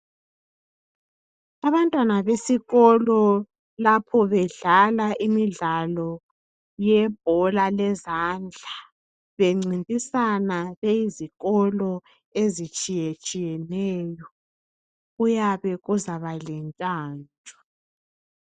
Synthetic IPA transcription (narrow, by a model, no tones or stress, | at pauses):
aβantʼwanaβesiɣɔlɔ | lapʰɔβɛɮalaʔimiɮalɔ | jɛb̥ʱɔlalɛzand͡ɮʱa | βeŋ͡ǀintʼisanaβejiziɣɔlɔ | ezit͡ʃʼijet͡ʃʼijɛnɛːjɔ | ujaβɛɣuzaβalɛnt͡ʃʼaːnt͡ʃʼɔ̥